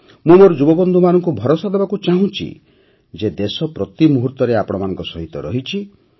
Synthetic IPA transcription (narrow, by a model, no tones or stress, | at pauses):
mũmoɾd͡ʒubɔbɔnd̪ʱumanɔŋkubʱɔɾosad̪ebakut͡ʃaɦũt͡ʃʰḭ | d͡ʒed̪esɔpɾɔt̪imuɦuɾt̪ɔɾeapɔɽ̃ɔmanɔ̃ŋkɔsɔɦit̪ɔ̰ɾɔɦit͡ʃʰi